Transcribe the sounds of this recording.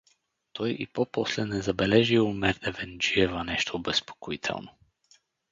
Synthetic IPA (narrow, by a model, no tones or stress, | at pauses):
t̪ʰɔjḭpɔpɔslɛnɛzabɛlɛʒiumɛɾd̪ɛvɛnd͡ʒiɛvanɛʃt̪ʰobɛspo̥koit̪ʰɛ̰lˠnɔ